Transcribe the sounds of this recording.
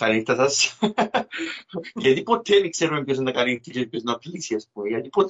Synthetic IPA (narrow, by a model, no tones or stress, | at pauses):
kɐlist̪ɐsɐs | ʝɐt̪ipo̞t̪emikseɾumepçosenɐkɐlit̪isspjosnɐtlisiɐspumeʝɐt̪ipot̪